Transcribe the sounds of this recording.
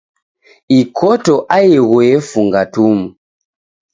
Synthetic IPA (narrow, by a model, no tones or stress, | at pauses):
ikʰɔtɔʔajɛɣwɛfuŋɡatumu